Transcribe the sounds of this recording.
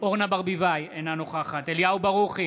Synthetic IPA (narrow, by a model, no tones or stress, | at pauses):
oʁnabaʁbivajenanoχaχat̪eljaubaʁuχi